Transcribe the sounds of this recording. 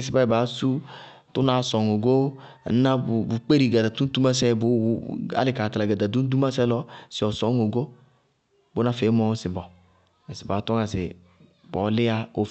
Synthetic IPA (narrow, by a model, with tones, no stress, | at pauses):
s̬i˨ba˦i˨ba˨˦su˦ | tu˦na˨˦sɔ˨ŋo˨ɡo˦˨˦ | na˦˨bu˨k͡pe˦ɾi˨ɡa˨da˨tu˦tu˦ma˦sɛ˦bu˦a̰˦lɪ˨˦ka˨ta˨la˨ɡa˨da˨du˦n˦du˦ma˦sɛ˦lɔ˦sɪ˨ɔ˨sɔ˨˦ŋo˨ɡo˦ | bo˦na˦fe˨˦mɔ˦sɪ˨bɔ˨ | si˨ba˨˦tɔ˦ŋa˨sɪ̰˨ | bɔ˨˦lɪ˦a˦o˨